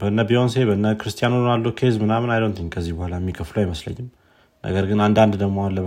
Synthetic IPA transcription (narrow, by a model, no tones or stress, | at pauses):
bəɨnːəbions̬e̞bəɨnːəkɨɾɨst̪ʰijanunalːukʰezmɨnamɨnajlont̪ʰɨɲkʰəzːihbohalajmːikʰəfləwajməslə̰ɲːɪm | nʔə̰ɡəɾɡɨnand̪and̪d̪əɡmoalːə